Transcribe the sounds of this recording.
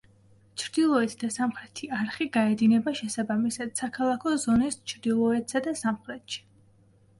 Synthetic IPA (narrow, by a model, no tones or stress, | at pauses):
t͡ʃʰɾd̪ilˠɔɛt̪ʰd̪asamχɾɛt̪ʰiaɾχiɡaɛd̪inɛbaʃɛsabamisad̪̥sakʰalˠakʰɔzɔnist͡ʃʰɾd̪ilˠɔɛt̪ʰsad̪asamχɾɛt̪ʃi̥